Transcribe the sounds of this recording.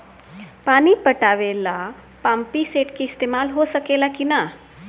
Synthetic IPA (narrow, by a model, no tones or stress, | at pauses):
paɽ̃ipəʈaʋela | pampiseʈkiist̪emalɦosəkelakina